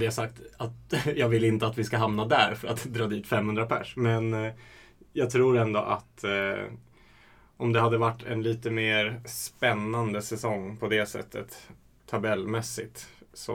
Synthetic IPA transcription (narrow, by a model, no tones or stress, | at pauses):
d̪ɛasak̚t̪at̪jɑːɡvɪlɪnt̪əat̪vɪskaɦamnad̪æɾfœɾat̪d̪ɾɑːd̪iːt̪fɛmhɵnd̪ɾapʰæ̰ʂmɛn | jɑːɡ̚t̪ʰɾuːɾɛnd̪ɔʔa̰t̪ | ʔɔmd̪ɛɦad̪ːəvaʈːɛ̰nliːt̪əmeːɾspɛnːand̪əsɛsɔŋːpʰɔd̪ɛsɛ̰t̪ʰːə̰t̪ʰː | abɛlːmɛsːɪt̪sɔ̰